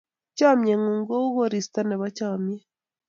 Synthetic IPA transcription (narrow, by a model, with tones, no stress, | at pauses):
caː˦mjeŋuːŋɡo˦u˦ɣo˦ɾista˦ne˨βacaːmje